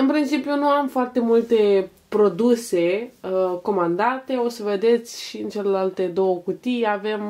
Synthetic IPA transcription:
ɨnpɾint͡ʃipjunuamfoart̪e̞mult̪e̞ | pɾo̞d̪use̞ | ko̞mand̪at̪e̞o̞səve̞d̪e̞t̪sʲʃiɨnt͡ʃe̞lelalt̪e̞d̪o̞wəkut̪ijave̞m

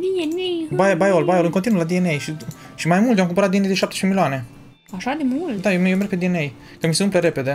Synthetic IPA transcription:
d̪ienejbajbajolbajolɨŋkont̪inuəlad̪ienejʃi | ʃimajmult̪ojamkumpəɾat̪̚d̪ienejd̪eʃap̚t̪eʃpemiloane̞ | aʃad̪emult̪d̪ajemjowmerɡ̚kped̪ienej | kəmiseumpleɾe̞pe̞d̪e̞

